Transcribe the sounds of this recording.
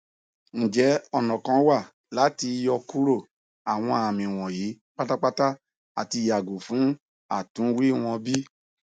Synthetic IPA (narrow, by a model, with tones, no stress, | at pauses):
ñ̩˨d͡ʒɛ˨˦ɔ˦˨nɔ̃˨kã˧˦wa˦˨ | la˨˦ti˧jɔ˧ku˦ɾo˦˨ | a˨w̃ɔ̃˧a˨mĩ˨w̃ɔ̃˨ji˨˦ | k͡pa˦ta˦k͡pa˦ta˦ | a˨ti˧˨ja˨ɡo˨fũ˨˦ | a̰˦˨tũ˨˦wi˦w̃ɔ̃˧bi˦